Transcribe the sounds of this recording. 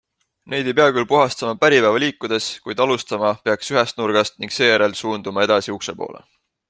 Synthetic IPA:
ne̞jd̪ejpeɑkylpuɦɑst̪ɑmɑpæɾipæːvɑliːkːˑud̪̥e̞skujd̪̥ɑlust̪ɑmɑpeɑksyɦɛst̪nurɡ̥ɑst̪̚niŋɡ̥se̞ːjæɾe̞lsuːnd̪umɑe̞d̪̥ɑsiuksepo̞̰ːlḛ

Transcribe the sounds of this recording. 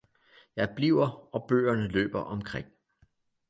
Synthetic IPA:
jɑ̈ɪb̥liʊ̰ɐɒ̽b̥ø̰ːɐnəlø̰ːb̥ɐʔɒ̽mkʰʁeŋ̰

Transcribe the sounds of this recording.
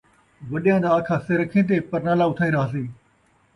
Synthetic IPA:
ʋɐɗijãːd̪aːkʰaːseɾɐkʰẽːt̪̬eːpɐɾnaːlaʊt̪ʰaːĩːɾɐɦaːs̬eː

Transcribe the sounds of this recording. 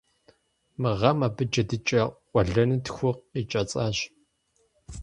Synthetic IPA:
mɨʁɐmɐbɨd͡ʒɐdɨt͡ʃʼɐʔʷʼɔɮɐnɨtxʷʊqit͡ʃʼɐt͡sʼaːɕ

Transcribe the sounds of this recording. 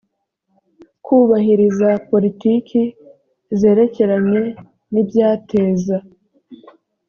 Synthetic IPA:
kʰuːβaɦiɾizapo̞ɾitikʰi | ze̞ːɾe̞ce̞ɾaɲe̞ | nibjaːtʰe̞ːza

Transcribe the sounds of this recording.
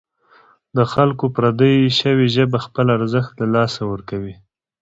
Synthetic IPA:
d̪əxalkopɾad̪əjʃəweʒəbaxpəlaɾzəxt̪lalɑsawəɾkawi

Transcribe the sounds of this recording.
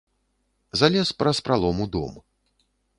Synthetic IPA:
zalʲɛspɾɐspɾalˠɔmud̪ɔ̰m

